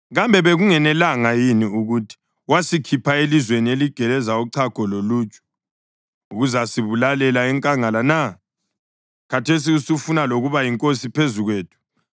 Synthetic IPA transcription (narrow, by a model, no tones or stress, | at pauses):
ɣambʱɛβeɣuŋɛnɛlaŋajiniuɣutʰi̥ | wasikʰipʰaelizwenieliɡ̥ʱɛlɛzauǀʰaɡ̥ʱɔloluːt͡ʃʼɔ̥ | uɣuzasiβulalɛlaɛŋkʼaŋalana | katʰes̬iusufunaloɣuβajiŋkʼosipʰezuɣweːtʰu̥